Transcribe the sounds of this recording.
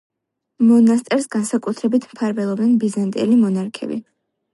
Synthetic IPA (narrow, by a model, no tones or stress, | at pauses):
mɔnast̪ʼɛɾsɡansakʼut̪ʰɾɛbit̪ʰmpʰaɾvɛlˠɔbnɛnbizant̪ʼḭlimɔnaɾkʰɛ̰bḭ